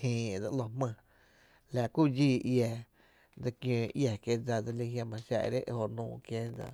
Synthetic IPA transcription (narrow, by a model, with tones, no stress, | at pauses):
hĩː˧e˨d͡za˧ʔlo˧mə̃˧ | la˧ku˦˨d͡ʒiː˦˨ʔjɛ˧ | d͡za˧kjõː˧˨ʔja˨kje˧d͡za˧d͡za˧li˧ɦjã˧mã˧ʃa̰˧ʔɾe˦ʔho˧nũː˧˨kjẽ˦d͡za̰˧